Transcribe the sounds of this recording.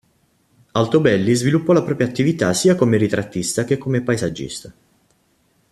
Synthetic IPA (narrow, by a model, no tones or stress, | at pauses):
alt̪obɛlːizvilupːɔlapɾɔːpɾjat̪ːivit̪asiːakomeɾit̪ɾat̪ːist̪ak̟ekːomepaezad͡ʒːḭst̪a